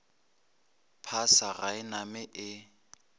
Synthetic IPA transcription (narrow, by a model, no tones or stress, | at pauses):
pʰasaɣaɪnamɪʔɪ